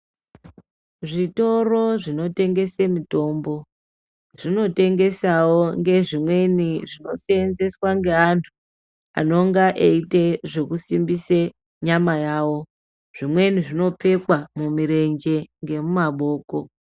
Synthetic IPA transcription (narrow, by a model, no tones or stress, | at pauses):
ʐito̞ro̞ʐino̞te̞ŋɡe̞semito̞ːmbo̞ | ʐ̥ino̞te̞ŋɡe̞sawoŋɡe̞ʐimwe̞niʐino̞seenze̞swaŋɡe̞antʰu̥ | a̰no̞ŋɡaʔeiteʐe̞kusimbise | ɲamajaːwo̞ | ʐ̥imwe̞niʐino̞p͡fe̞kwamumiɾe̞ɲd͡ʒe̞ŋɡe̞mumaɓo̞ːko̞